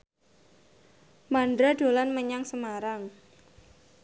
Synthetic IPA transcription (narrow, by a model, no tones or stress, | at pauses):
mandɾaɖ̥o̤lanməɲaŋsəmaɾaŋ